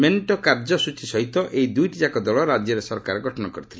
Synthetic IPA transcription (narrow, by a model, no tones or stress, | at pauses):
menʈɔkaɾd͡ʒɔsut͡ʃisɔɦit̪ɔʔejd̪ujʈid͡ʒakɔd̪ɔɭɔɾad͡ʒjɔɾesɔɾkaɾɔɡʱɔʈʰɔnɔkɔɾit̪ʰile